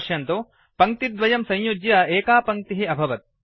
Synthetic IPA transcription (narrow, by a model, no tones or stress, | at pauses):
ʃjɐnt̪o | pɐŋ̚t̪id̪ʋɐjɐmsɐ̃jjud͡ʒjɐeːkaːpɐŋk̚t̪iɦiɐbʱɐʋɐt̪̚